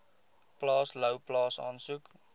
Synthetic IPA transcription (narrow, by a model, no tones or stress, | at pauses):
plɑːsləwplɑːsɑ̰ːnsuk